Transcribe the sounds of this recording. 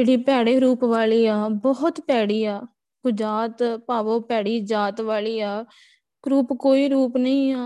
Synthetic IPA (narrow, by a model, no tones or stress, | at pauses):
d͡ʒeːɽiːpɛːɽeːɾuːpʋaːliːaːbɔːt̪pɛːɽiːaː | ɡ̥ʊd͡ʒaːt̪paːʋoːpɛːɽiːd͡ʒaːt̪ʋaːliːaː | ɾuːpkoːiːɾuːpnəĩːaː